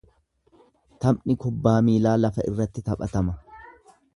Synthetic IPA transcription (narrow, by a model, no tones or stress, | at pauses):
t̪ɐmnɪkʊbːaːmiːlaːlɐfɐʔɪrːɐt̪ːɪt̪ɐpʼɐt̪ɐmɐ